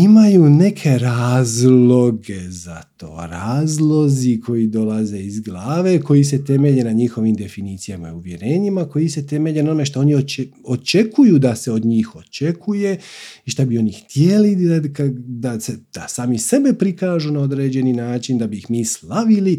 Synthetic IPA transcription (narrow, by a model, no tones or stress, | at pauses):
imajuːne̞kʰe̞ɾaːzlo̞ɡe̞za̰t̪o̞̰ːɾaːzlˠo̞zikʰo̞jid̪o̞laze̞izɡlaːʋe̞ko̞jis̬e̞t̪e̞me̞ʎenaɲixo̞ʋimd̪e̞finiːt̪sijama̰iuʋje̞ɾe̞ːɲimako̞jise̞t̪e̞me̞ʎenonomeʃt̪oo̞ːniot͡ʃeot͡ʃe̞kʰujuːd̪ase̞o̞d̪ɲiːxo̞t͡ʃekʰuje̞iʃt̪abio̞nixt̪jeliakad̪ased̪̥asaːmise̞be̞pɾikaːʒuːnao̞d̪ɾe̞ːd͡ʑe̞ninaːt͡ʃind̪abiːxmiːslaʋili